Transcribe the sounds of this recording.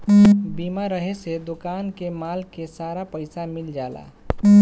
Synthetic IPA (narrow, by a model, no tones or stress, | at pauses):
biːmaɾəɦesed̪ʊkankemaːlkesaɾapəɪsamild͡ʒala̰